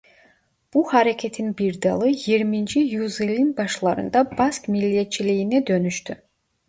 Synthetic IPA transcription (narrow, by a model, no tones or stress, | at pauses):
b̥uhaɾecʲʰet̪ʰinbiɾd̪ɑlˠɯjiɾmind͡ʒijuzelʲinbɑʃlˠɑɾɯ̰nd̪ɑbaskmilːijɛt̪t͡ʃʰilijinɛd̪ø̞nyʃt̪ʰy